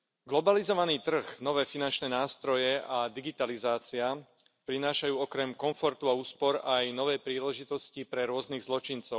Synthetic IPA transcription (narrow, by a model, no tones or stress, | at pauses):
ɡlɔbalizɔʋaniːt̪r̩ɣnɔʋɛːfinant͡ʃnɛːnaːst̪ɾɔjɛad̪iɡit̪alizaːt͡sia | pɾinaːʃajuːɔkɾɛmkɔɱfɔɾt̪uauːspɔɾajnɔʋɛːjpɾiːlɛʒit̪ɔscipɾɛɾʊɔzniɣzlɔt͡ʃint͡sɔʊ